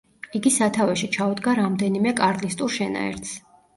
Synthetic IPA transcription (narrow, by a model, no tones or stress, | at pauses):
iɡisat̪ʰavaʃit͡ʃʰaud̪ɡaɾamd̪ɛnimɛkʼaɾt̪ʼlist̪ʼuɾʃɛna̰ɛ̰ɾt̪s